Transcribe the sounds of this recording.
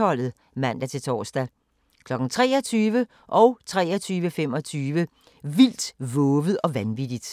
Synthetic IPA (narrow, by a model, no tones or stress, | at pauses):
ɒ̽l̰ð̩ˠ | mæn̰d̥æt͡sʰe̝lt͡sʰɒ̰ːsd̥æ | kʰlɒ̽ɡ̥n̩t͡sʰʁɛːɒ̽t͡sʰyːʋə | ʔɒ̽ʊt͡sʰʁɛ̰ːɒt͡sʰyːʋəfem̰ɒ̽t͡sʰyːʋə | ʋil̰d̥ʋɔ̽ːʋð̩ˠɒ̽ʋænʋid̥id̥